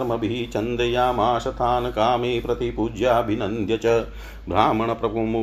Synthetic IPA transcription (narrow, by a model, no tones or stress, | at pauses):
ɾmɐbiit͡ʃɐnd̪ɐjaːmaːʃɐt̪ʰaːnɐkaːmeːpɾɐt̪ipud͡ʒjaɐbʱinɐnd̪ʱjɐt͡ʃɐ | bʱɾaːmɐɳɐpɾɐpum